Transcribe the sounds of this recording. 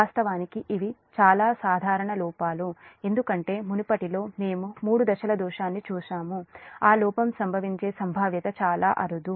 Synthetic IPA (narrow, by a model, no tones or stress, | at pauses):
aːst̪ɐʋaːnikiʔiʋit͡ʃaːlaːsaːd̪ʱaːɾɐɳɐlɔːpaːlue̞nd̪ukɐɳʈe̞ːmunupɐʈilo̞ːme̞ːmumuːɽud̪ɐʃɐlɐd̪uːʃaːnːit͡ʃuːʃaːmuaːlɔːpɐmsɐmbʱɐʋiɲt͡ʃe̞ːsɐmbʱaːʋjɐt̪ɐt͡ʃaːlaːʔɐɾud̪u